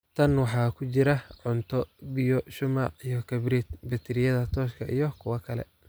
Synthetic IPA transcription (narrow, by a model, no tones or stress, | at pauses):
t̪ʰɐnwɑħɑːkʰʊt͡ʃɪɾɐʕʊnt̪ʰɔbɪjɔʃʊmɑːqijɔkʰɐbɾit̪bɪt̪ʰɪɾɪjɐðɐt̪ʰɔːʃkʰɐʔijɔkʰʊwɐkʰɐlɛ̰